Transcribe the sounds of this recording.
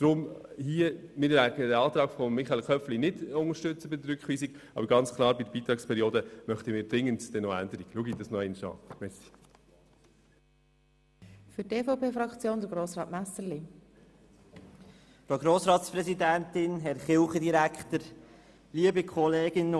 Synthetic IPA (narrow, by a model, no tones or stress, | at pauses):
d̥ɾʊmhiːəmɪɾlæɡədɛɑːt̪ɾɑːɡfɔmːɪχɑelkʰœpflinɪdʊŋəɾʃtʏt͡səbɪdəɾʏkχʋiːsiɡɑ̰bəɾɡɑnt͡skʰlɑːɾbidəbiːt̪ɾɑːkspʰɛɾioːdəmœχt̪əmɪːɾdɾɪŋːəndd̥ɛnɔændəɾiɡluəɡidɑsnɔɛɪnʃɑ̰ːmɛɾsi̥ | fʏteːfopeːfɾɑkt͡sjoːnd̥̪əɡɾoːsɾɑːtmæsəɾli | fɾoɡɾoːsɾɑːtspɾɛsid̪ænt̪ɪnɦɛɾχɪlχəd̪iɾækχt̪əɾ | liːəbəkʰɔleːɡ̥ɪn